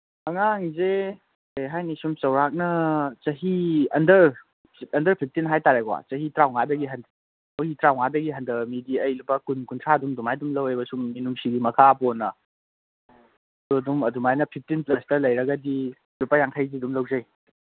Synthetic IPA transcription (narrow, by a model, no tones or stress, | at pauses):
ɐŋaŋze | eɦajnisumsɐwɾak̚nɐt͡ʃɐɦiɐndɐɾ | ɐndɐɾpʰip̚ʰtinɦajtaɾakwa̰t͡ʃɐɦitɾawŋadɐɡiɦɐnd | owhitɾawŋadɐɡiɦɐndɐmidiɐjlupːɐkunkuntʰɾaɐdumdumajdumlɐwebɐsumːinumsiɡimɐkʰaponɐ | duɐdumɐdumajnɐpʰip̚ʰtinplɐstɐlɐjɾɐɡɐdi | lupajaŋtʰajzidumlɐwzɐj